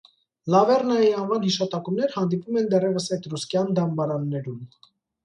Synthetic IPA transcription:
lɑvɛrnɑjiɑnvɑnhiʃɑt̪ɑkumnɛɾhɑnd̪ipumɛnd̪ɛrɛvəsɛjt̪ruskjɑnd̪ɑmbɑɾɑnːɛɾum

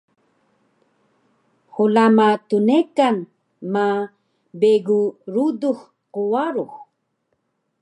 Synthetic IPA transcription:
xulamatunekan | ma | beɡuɾudux | quwaɾux

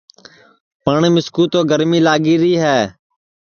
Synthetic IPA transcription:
pəɳmɪskuːt̪oːɡəɾmĩːlaːɡiːɾiːɦɛː

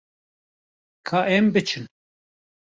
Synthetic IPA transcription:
kʰaːʔɛmbɨt͡ʃʰɨn

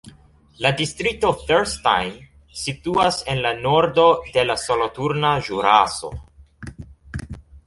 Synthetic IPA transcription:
ladistɾito̞θeɾsta̰jm | situase̞nlano̞ɾdo̞de̞lasolotuɾnaʒuɾaso̞̰

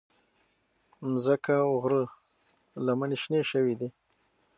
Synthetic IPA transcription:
zəkaʊɣɾə | lamaniʃneʃəwid̪i

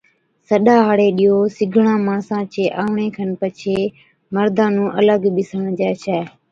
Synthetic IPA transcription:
səɗaːɦaːɽeːɗiːoːsɪɡʱɳãːmãːsãːt͡ʃeːʔaːʋɳeːkʰənpət͡ʃʰeː | məɾd̪ʱãːnũːʔələɡɓɪsəɳd͡ʒɛːt͡ʃʰɛː

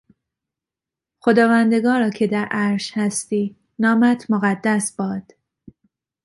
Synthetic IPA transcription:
xo̞d̪ɒːvænd̪e̞ɡɒːɾɒːcʰe̞d̪æɾʔæɾʃhæst̪iː | nɒːmæt̪ʰmoɣæd̪ːæsb̥ɒːd̪̥

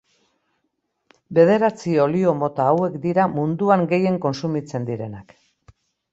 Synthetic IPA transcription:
be̞ð̞e̞ɾat͡sio̞lio̞mo̞t̪aːwe̞kd̪iɾamund̪uaŋɡe̞je̞ŋko̞nsumit͡se̞nd̪iɾe̞nak

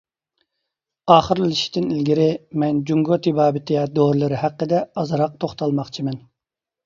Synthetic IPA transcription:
ɑːχəɾlliʃi̥t̪ʰɪnilɡʲiɾɪmɛnd͡ʒuŋɡot̪ʰibɑːbɪt̪ʰɪjɛd̪oɾlˠɨɾɨhæqːəd̪ɛɑzɾɑq̚t̪ʰoχt̪ɑlˠmɑχt͡ʃʰimɛn

